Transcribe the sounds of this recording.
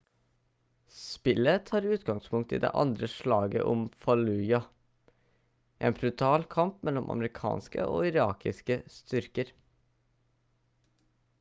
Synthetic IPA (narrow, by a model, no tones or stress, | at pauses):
spɪlət̪ʰɑːɾʉːt̪ɡɑŋspʰʊŋkt̪iːd̪ḛːʔɑ̰nd̪ɾəʃɭɑːɡə̰ʔɔmfɑlʉːjɑ | ʔeːnbɾʉt̪ʰɑːlkʰɑmpmɛlːɔmʔɑ̰məɾɪkʰɑ̰ːnskə̰ʔo̰ːɪɾɑ̰ːkɪskəst̪ʏɾkəɾ